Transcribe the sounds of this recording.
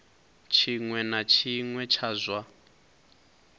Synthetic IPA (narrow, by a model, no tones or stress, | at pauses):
t͡ʃʰiŋwɛnat͡ʃʰiŋwɛt͡ʃʰazwa